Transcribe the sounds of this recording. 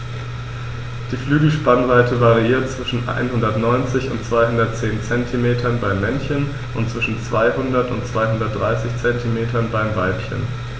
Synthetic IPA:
d̥iːflyːɡl̩ʃpanʁaɪtʰəvaʁiiːɐt̚t͡sv̥ɪʃn̩ʔa̰ɪnhɦʊndɐtnɔʏnt͡sɪçʊ̰ntt͡sv̥aɪhʊndɐt̚t͡seːnt͡sɛntʰimeːtʰɐnbaɪmːɛnçən | ʔʊntt͡sv̥ɪʃn̩t͡sv̥aɪhʊndɐtʊ̰ntt͡sv̥aɪɦʊndɐt̚d̥ʁaɪsɪçt͡sɛntʰimeːtɐnbaɪmvalpçə̰n

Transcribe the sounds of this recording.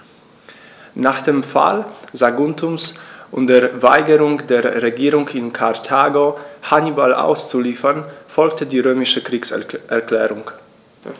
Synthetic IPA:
naːχd̥eːmfa̰lzaɡʊntʊmsʔʊntd̥eːɐvaɪɡəʁʊŋdeːɐʁeɡiːʁʊŋkɪnkʰaɐtʰaːɡohanibalʔa̰ʊst͡suliːfɐnfɔlktədiːʁøːmɪʃəkʁ̥iːksʔɛɐkl̥ɛːʁʊŋ

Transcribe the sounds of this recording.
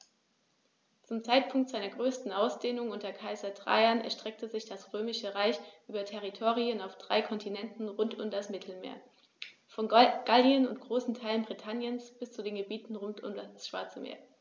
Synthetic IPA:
t͡sʊmt͡saɪt̚pʰʊŋk̚tz̥aɪnɐɡʁøːstn̩aʊsd̥eːnʊŋʔʊntɐkʰaɪzɐdʁa̰ɪɐnɛ̰ɐʃtʁ̥ɛk̚təzɪçd̥asʁ̥øːmɪʃəʁaɪçʔyːbɐtʰɛʁ̞itʰoːʁiənaʊfd̥ʁa̰ɪkʰɔntʰinɛntn̩ʁʊntʊmdasmɪtʰl̩mḛːɐ | fɔnɡ̥aliənʊ̰ntɡ̥ʁoːsn̩tʰaɪlənbʁitʰanjənsb̥ɪst͡sudeːnɡəbiːtn̩ʁʊntʰʊ̰mdasʃv̥a̰ɐt͡səmḛːɐ

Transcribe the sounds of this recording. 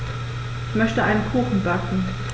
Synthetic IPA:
ʔɪçmœçtəʔaɪnənkʰuːxn̩bakŋ̩

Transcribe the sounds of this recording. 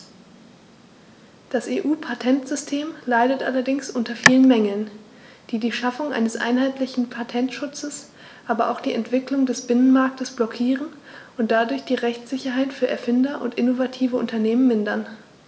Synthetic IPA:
d̥aseːʔuːpʰatʰɛntz̥ʏstʰeːmlaɪdətʔa̰lɐdɪŋsʔʊntɐfiːlənmɛŋl̩n | d̥iːdiːʃafʊŋʔa̰ɪnəsʔa̰ɪnɦaɪtlɪçn̩pʰatʰɛntʃʊt͡səs | ʔaːbɐʔa̰ʊxd̥iːɛntv̥ɪklʊŋdɛsb̥ɪnənmaɐk̚təsb̥lɔkʰiːʁənʊnt̚d̥adʊɐçd̥iːʁɛçt͡sz̥ɪçɐɦaɪtfyːɐɛɐfɪndɐʔʊ̰ntʔɪnovatʰiːvəʔʊntɐneːmənmɪndɐn

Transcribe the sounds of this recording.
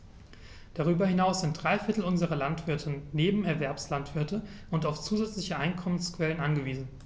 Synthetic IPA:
d̥aʁ̞yːbɐhɪnaʊsz̥ɪnt̚d̥ʁaɪfɪɐtl̩ʊnzəʁɐlantv̥ɪɐtʰənneːbm̩ɛɐvɛɐpslantv̥ɪɐtəʔʊntaʊft͡suːzɛt͡slɪçəʔaɪnkʰɔmənskv̥ɛlənʔanɡəviːzn̩

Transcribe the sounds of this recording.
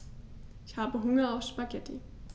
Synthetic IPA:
içhɑ̈b̥əɦoŋɐɒsb̥aɡ̥ed̥ʰi

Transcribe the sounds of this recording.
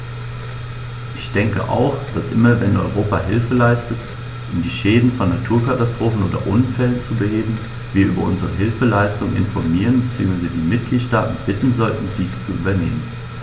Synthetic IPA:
ʔɪçd̥ɛŋkə̰ʔa̰ʊxd̥asʔɪmɐvɛnʔɔʏʁoːpaɦɪlfəlaɪstət | ʔʊmdiːʃɛːdn̩fɔnːatʰuːɐkatastʁ̥oːfn̩ʔoːdɐ̰ʔʊnfɛlənt͡subəheːbm̩ | viːɐʔyːbɐʔʊnzəʁəɦɪlfəlaɪstʊŋʔɪ̰nfɔɐmiːʁənbət͡siːʊŋsvaɪzədiːmɪt̚ɡ̥liːtʃtaːtn̩b̥ɪtn̩zɔltn̩diːst͡suʔy̰ːbɐnḛːmən

